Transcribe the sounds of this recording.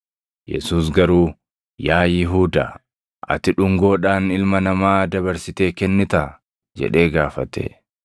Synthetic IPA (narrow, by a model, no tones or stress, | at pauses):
jɛ̰suːsɡɐɾuː | jaːjɪɦuːd̪a̰ | ʔɐ̰t̪ɪᶑʊŋɡo̞ːᶑaːnɪlmɐnɐmaːd̪ɐbɐɾsɪt̪e̞ːkɛnːɪt̪a | d͡ʒɛ̰ᶑe̞ːɡaːfɐt̪ɛ̰ː